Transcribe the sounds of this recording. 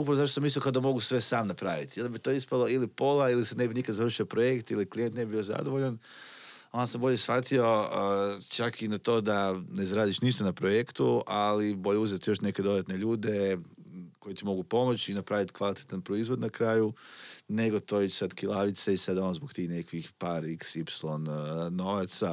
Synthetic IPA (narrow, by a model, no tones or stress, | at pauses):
upɾaʋozaʃt̪osamisokaod̪amo̞ɡusʋe̞saːmnapɾaʋit̪ijond̪abit̪oispalˠo̞ilipo̞lailisanebinikad̪zaʋɾr̩ʃio̞pɾoje̞kt̪iliklije̞nt̪nebibijo̞za̰d̪oʋo̞ʎan | o̞nd̪asamboʎe̞sfat̪io̞ | t͡ʃakinat̪o̞ːd̪ane̞zaɾaːd̪iʃniʃt̪anapɾo̞jekt̪ualibo̞ʎeuzet̪ijo̞ʃne̞ke̞d̪o̞d̪at̪ne̞ʎuːd̪e̞ | ko̞jet̪imo̞ɡupo̞mo̞t͡ɕinapɾaːʋit̪kʋalit̪e̥t̪anpɾo̞izʋo̞d̪nakɾaːjune̞ɡo̞t̪o̞it͡ʃsad̪kilˠaʋit̪seisad̪aonzbokt̪iːxne̞kʋixpaɾiksipslˠo̞nːo̞ʋat̪sa